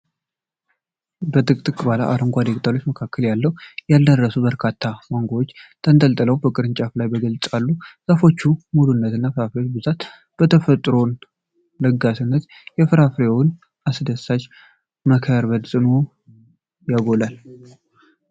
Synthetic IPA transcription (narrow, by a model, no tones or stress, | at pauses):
bət̪ʼɨkʼt̪ʼɨkʼbala̰ʔaɾɨŋɡʷad̪ekʼt̪ʰʼalot͡ʃːməkʰakʰːəljalːəwujald̪ərːəsubəɾkʰat̪ʰːaməŋɡowot͡ʃːt̪ʰənt̪ʼəlt̪ʼələwbəkʼɨɾɨɲt͡ʃʼaflajbəɡəlt͡sʼalːusəfo̞t͡ʃːumulunːət̪ɨnːafɨɾafɾewot͡ʃbɨzat̪ | b̥ət̪ʰəfət̪ʼɾo̞n | ləɡasɨnːət̪ | jɛfɨɾafɾewʊn | asd̪əsat͡ʃ | məkʰɾbəd̪zʼɨno | jaɡo̞lal